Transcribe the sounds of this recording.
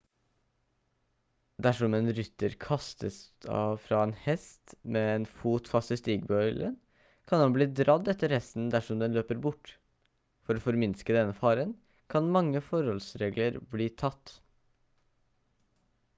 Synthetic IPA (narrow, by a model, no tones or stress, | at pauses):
d̪æʂɔmeːnɾʏt̪ːəɾkʰɑst̪ə̰sd̪ɑ̰ʋfɾɑːeːnhɛst̪meːeːnfuːt̪fɑst̪əst̪iːɡbœʏlʔə̰n | kʰɑnhɑnbliːd̪ɾɑd̪ɛt̪ːəɾhɛst̪n̩d̪æʂɔmd̪ɛnløːpəɾbʊʈː | fɔɾoːfɔɾmɪnskəd̪ɛnːəfɑːɾən | kʰɑnmɑŋːəfɔɾhɔlsɾeːɡləɾbliːt̪ʰɑt̪ː